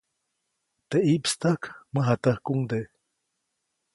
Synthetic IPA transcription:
t̪eʔipst̪əkməɦat̪əhkuŋd̪eʔ

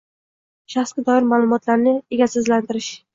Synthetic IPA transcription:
ʃaχsɡʲɪd̪ɒɪɾmaːlˠʊmɒt̪ʰlaɾnɪe̞ɡʲasɪzlant̪ɪɾɪʃ

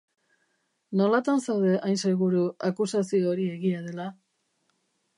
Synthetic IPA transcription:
no̞lat̪ansawðe̞ʔajnse̞ɣuɾuakusasioɾie̞ɣiað̞e̞la

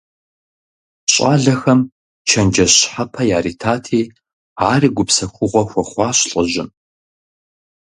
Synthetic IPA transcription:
ɕʼaːɮɐxɐm | t͡ʃʰɐnd͡ʒɐɕħapʰɐjaːriːtʰaːtʰiː | aːriːɡʷʊpsɐxʷʊʁʷɔxʷɔχʷɑːɕɬʼɐʑɪm

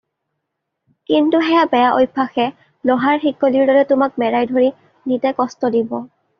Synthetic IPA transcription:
kintuɦɛjabɛjaʔojpʰːaxɛ | lɔɦaɹxikːoliɹdɔɹɛtʊmak̚mɛɹajdʱoɹi | nitɛkɔstɔdibɔ

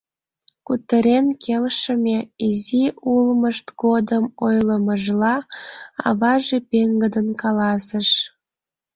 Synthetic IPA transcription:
kut̪ːəɾenkʰelʃə̆mʲeiziʔulməʃt̪ɡod̪əmojləməʒlɑɑ̰βɑʒepeŋɡəd̪ənkɑlɑsəʃ

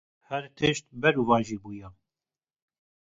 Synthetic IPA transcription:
hɛɾt̪ʰɨʃt̪bɛɾuvɑ̃ːnʒibuːjɑ

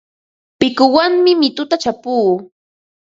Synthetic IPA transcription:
pɪkʊwaŋmɪmɪt̪ʊt̪at͡ʃapuː

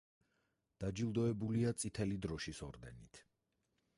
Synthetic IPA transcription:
d̪̥ad͡ʒilˠd̪ɔɛbuliat̪sʼit̪ʰɛlid̪ɾɔʃisɔɾd̪ɛ̰nit̪ʰ

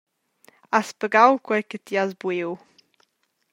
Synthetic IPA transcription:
aspəɡawkwɛjkət̪iazbwew

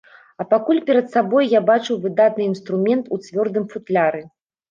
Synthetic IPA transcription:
ɐpakulʲpʲɛɾɐt̪sabɔjːabat͡ʂɨwvɨd̪at̪nɨinst̪ɾumʲɛnt̪ut͡sʲvʲɔrd̪ɨmfut̪lʲaɾɨ

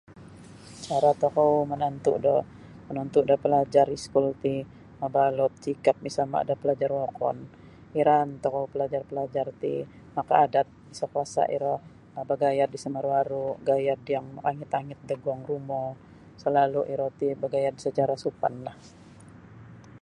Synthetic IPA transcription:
t͡ʃaɾat̪ɔkɔwmənant̪uʔdɔ | mənɔnt̪uʔdɔpəlad͡ʒaɾiskult̪i | məbalɔt̪̚t͡ʃikap̚misalma̰a̰dapəlad͡ʒarwɔkɔ̰n | iɾant̪ɔkɔupəlad͡ʒarpəlad͡ʒart̪ḭ | maka̰ːdat̪̚isɔkwasa̰ʔḭɾɔh | abəɡajardisəməɾwaɾuɡajardjaŋaŋɪt̪aŋɪt̪̚dəɡuaŋrumɔ | səlaluʔiɾot̪ibəɡajardisət͡ʃaɾasupa̰nlah

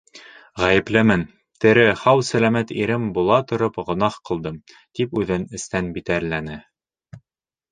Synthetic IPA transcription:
ʁæjɘ̆plɘmɘn | t̪ɘ̆ɾɘhɑwsælæmæt̪iɾɘmbulˠɑt̪ŏɾopʁŏnɑχqɤ̆lˠd̪ɤm | t̪ipʉðɘnɘ̆st̪ænbit̪æɾlænɘ

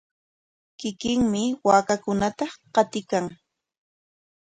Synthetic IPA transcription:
kɪkɪŋmɪwaːkakʊnat̪ɑqɑt̪ɪkaŋ

